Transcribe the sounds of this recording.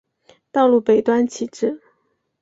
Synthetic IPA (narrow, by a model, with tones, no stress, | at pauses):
t̪ɑ˥˧ʊlu˥˩pe˨˩ɪt̪wa˥nt͡ɕʰi˨˩ʈ͡ʂɻ̩˥˩